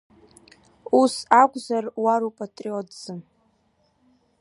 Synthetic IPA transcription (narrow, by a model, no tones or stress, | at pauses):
usakʷʼzarwaɾupʼatʼriotd͡zɨm